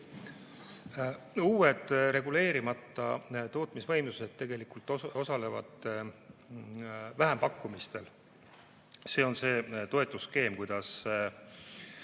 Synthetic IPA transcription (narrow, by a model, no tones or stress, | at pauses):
uːwe̞d̪̥ɾe̞ɡule̞ːɾimɑt̪ːˑɑt̪o̞ːt̪ˑmisvɤjmluse̞d̪̥̚t̪ːe̞ɡe̞likult̪ːˑo̞sɑle̞vɑ̰d̪̥ | væɦempɑkːˑumist̪e̞l | se̞ːo̞nse̞ːt̪o̞e̞t̪ːˑuske̞ːmkujd̪ɑs